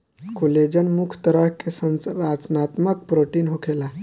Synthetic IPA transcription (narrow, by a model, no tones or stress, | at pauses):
koled͡ʒənmukʰt̪əɾəɦkesənɾat͡ʃnat̪mək̚pɾoʈinɦokʰela